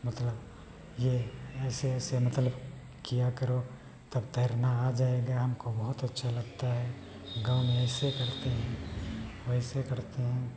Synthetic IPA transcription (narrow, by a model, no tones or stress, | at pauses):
mɐt̪ləb | jeɛːseɛːsemɐt̪ləb | kijakɐɾo | t̪ɐbt̪ɐɾnaːd͡ʒaːeɡaɦɐmkobɐɦʊt̪ɐtːʃʰalɐɡt̪aɦɛː | ɡãːʊmẽɛːsekɐɾt̪eɦɛ̃wɛɦsekɐɾt̪eɦɛ̃ː